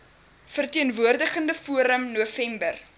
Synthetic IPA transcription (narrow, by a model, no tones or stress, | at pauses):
fərtiənvuərdəχəndəfuəɾəmnuəfɛmbər